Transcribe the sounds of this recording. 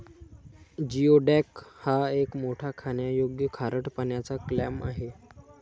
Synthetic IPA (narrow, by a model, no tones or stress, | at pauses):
d͡ʑioɖækhaekmoʈʰakʰaɳjajoɡjəkʰaɾəʈpaɳjat͡saklæma̰ɦe